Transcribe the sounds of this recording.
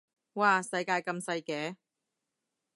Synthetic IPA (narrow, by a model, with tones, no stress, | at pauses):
waː˨˧sɐ˧jkaː˧jkɐ˧msɐ˧jkɛː˨˥